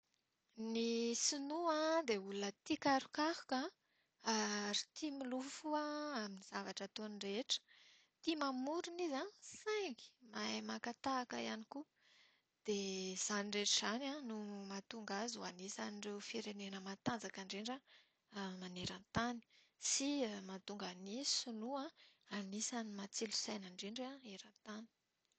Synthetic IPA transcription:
nisinuãd̪eulunət̪ikaɾukahu̥ka | aɾi̥t̪ʰimilufuaaminiz̥avaʈ͡ʂət̪onireʈ͡ʂə̥ | t̪imamuɾunizasaŋɡi̥mamakat̪aːkəianiku | d̪̥ez̥anireʈ͡ʂiz̥anãnumat̪uŋɡazuanisanirewfiɾenenəmat̪and͡zakaɳɖ͡ʐeɳɖ͡ʐa | maneɾant̪ani̥ | siəmat̪uŋɡanisunuãanisanimat͡silu̥sajnaɳɖ͡ʐeɳɖ͡ʐaeɾant̪ani̥

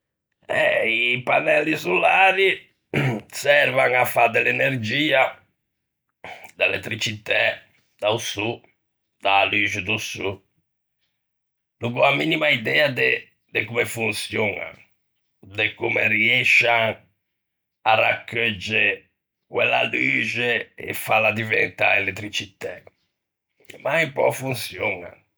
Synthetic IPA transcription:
ɛipanɛlːisulaːɾi | sɛɾvaŋafːad̪ɛlɛneɾd͡ʒiːa | d̪aɛlɛ̰t̪ːɾit͡ʃit̪ɛ | d̪̥ausu | d̪̥alyd͡ʒud̪usu | luɡuaminimaid̪ɛːad̪e | d̪ekumefunsjɔna̰ | d̪ekumeriɛʃaŋ | ara̰kːød͡ʒːe | kwɛlːa̰lyːd͡ʒeɛ̰falːad̪ivɛnt̪a̰ɛlet̪ːɾit͡ʃit̪ɛ | maipɔ̰funsjɔna̰

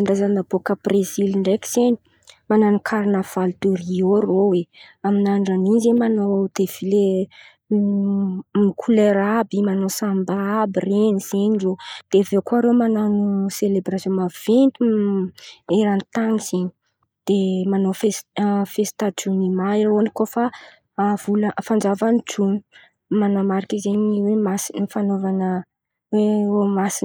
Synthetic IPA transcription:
and̪azanabokəb̥reziliɳɖ͡ʐeki̥z̥eni̥ | mananukʰaɾinav̥ald̪urioroweaminaɳɖ͡ʐanizemanoad̪efile | mikʰuleɾabimanosambaabireniz̥eɲizod̪̥evekoaɾewmananuselebɾasjõmav̥ent̪u | eɾanit̪aniz̥iɲi̥ | d̪̥emanofesfest̪aʈ͡ʂunimaiɾonikofa | v̥uləfand͡ʒavaniʈ͡ʂuni | manamaɾikizeɲiwemasinifanovanə | weomasin

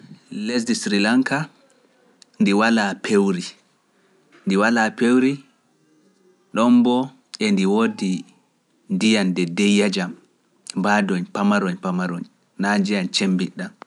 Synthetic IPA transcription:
les̬disɾilaŋka | ndiwalapʰewɾi | ndiwalapewɾi | ɗɔmbɔ | ʔɛndiwodi | ndijandɛdɛjːad͡ʒam | badɔɲpamaɾɔɲpamaɾɔɲ | nad͡ʒijant͡ʃembiɗːan

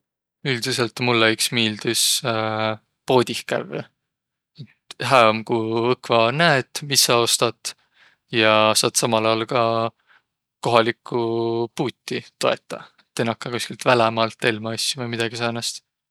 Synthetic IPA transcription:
yld̪̥use̞lt̪mulːeyksmiːld̪̥us | po̞ːd̪ʲihkæ̰v | et̪ɦæːmkuɤkvɑnæet̪misːɑo̞st̪ɑt̪ | jɑsɑːd̪sɑmɑlɑjɑlkɑ | ko̞ɦɑlikːˑupuːt̪ʲːit̪o̞e̞t̪ːˑɑ̰et̪ːenɑkːɑnkuskilt̪vælemɑlt̪ːelmɑɑsʲːuvemid̪̥ɑɡ̥isɑːnɑst̪

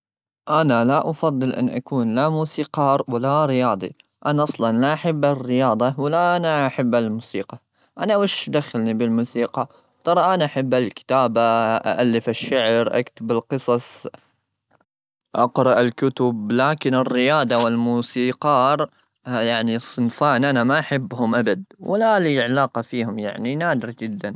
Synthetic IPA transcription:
ʔanalaʔɑfɑd̪ˤːɨlʔɪ̰nːʔa̰kuːnlamuːsiːqɑːɾwɪlaɾɪjɑːd̪ˤḭ | ʔanaʔɑsˤlɑnlaʔaħabːarːɪjɑːd̪ˤɑwɪlːaʔanaaħabːalmuːsiːqɑ | ʔanawɪʃd̪axalnibɪlmuːsiːqɑ | t̪ˤɑɾˤɑʔanaʔaħabːalkɪ̥t̪aːbaʔa̰ʔalːɪfaʃːaʕɾʔa̰kt̪ɪbalqɨsˤɑsˤ | ʔɑ̰qɾˤɑʔɪlkʊt̪ʊblaːkɪnɪrːɪjɑːd̪ˤɑwɪlmuːsiːqɑːɾˤ | jaʕnisˤːɨnfaːnʔanamaʔaħɪbːhʊmʔabad̪̚wɪlaliʕalaːqɑfiːhʊmja̰ʕninaːd̪ɪɾd͡ʒɪd̪ːan

